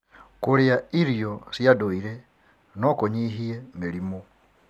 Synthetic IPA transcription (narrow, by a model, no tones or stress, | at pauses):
kuliaiɾjosijadoiɾe | nokoɲiɦiemilimo